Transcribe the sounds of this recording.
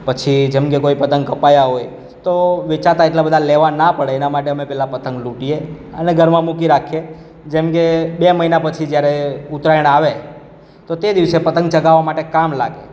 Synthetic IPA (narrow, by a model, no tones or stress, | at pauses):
pət͡ʃʰid͡ʒemkekoipət̪əŋɡkəpajaɦoj | t̪oʋɪt͡ʃat̪aeʈlabəd̪ʱaleʋanapəɽeːnamaʈeəmepɛlapət̪ə̃ŋɡluʈieə̰neɡʱəɾmãmukiɾakʰe | d͡ʒemkebeməɦinapət͡ʃʰid͡ʒjaɾeut̪ɾajəɳ̃aʋe | t̪ot̪ed̪iʋsepət̪əŋɡ̚t͡ʃəɡaʋːamaʈekamla̰ɡḛ